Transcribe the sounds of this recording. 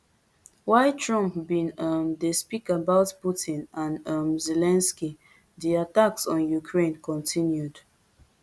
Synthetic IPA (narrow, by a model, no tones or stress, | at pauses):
waɪtʰɹɔ̃mpbĩnʌmdespikabaʊtputĩnãnʌmzelɛ̃nski | diataksɔ̃njukʰɹẽnkɔ̃ntʰĩnjud